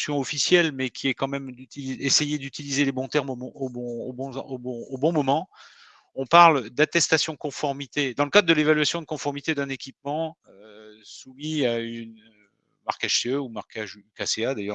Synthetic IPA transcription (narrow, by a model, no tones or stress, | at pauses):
sjɔ̃ɔfisjɛlmɛkʲʰiɛkɑ̃mɛmd̪yt̪iliesejed̪yt̪ilizelebɔ̃t̪ɛʁmomɔ̃obɔ̃obɔ̃obɔ̃obɔ̃mɔmɑ̃ | ɔ̃paʁld̪at̪ɛst̪asjɔ̃əkɔ̃fɔʁmit̪ed̪ɑ̃ləkad̪ʁd̪əlevalɥasjɔ̃d̪əkɔ̃fɔʁmit̪ed̪ɛ̃nekʲip̚mɑ̃øsumiaynø | maʁkaʃseøumaʁkaʒykasead̪ajœʁ